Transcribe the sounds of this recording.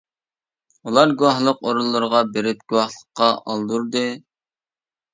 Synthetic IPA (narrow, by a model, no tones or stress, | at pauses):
ulˠɑɾɡuwɑhlˠəqoɾulˠːɨɾəʁɑbeɾɪp̚ɡ̥ʲuwɑhlˠəqːɑʔɑlˠd̪uɾd̪ɨ